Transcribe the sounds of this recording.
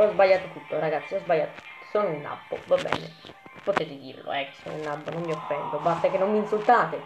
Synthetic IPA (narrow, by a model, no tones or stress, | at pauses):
ɔzbajːaːt̪ot̪ut̪ːoraɡat̪sːiɔzbaʎːat̪o̥ | sonilnːa̰bːo̰vabːɛ̰ːnḛ | pot̪ɛːt̪ɪd̪ḭːɾlo̰ɛkːso̰nṵlnːabːonomːiofːɛnd̪obast̪akenːomːinsult̪aːt̪e